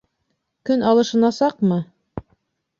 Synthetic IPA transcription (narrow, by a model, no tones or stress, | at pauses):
kɵnɑlˠɤ̆ʃɤ̆nɑsɑqmɤ